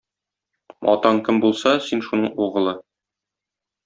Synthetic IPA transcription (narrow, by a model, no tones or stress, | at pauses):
ɒ̰t̪ɑɴkɘmbulˠsɑsinʃunɤɴuʁɤ̆lˠɤ